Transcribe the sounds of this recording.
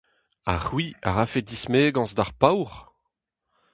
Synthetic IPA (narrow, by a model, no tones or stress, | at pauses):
a̰ʁwia̰ʁafedismeːɡɑ̃zd̪aʁpawʁ